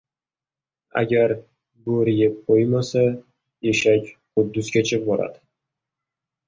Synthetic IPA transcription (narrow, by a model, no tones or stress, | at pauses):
a̰ɡʲaɾ | bʊɾɪjʲɪp̚qʰojmasa | jeʃakʲqʊb̚d̪ːʊskʲʰat͡ʃʰɪp̚bɒɾa̰d̪ɪ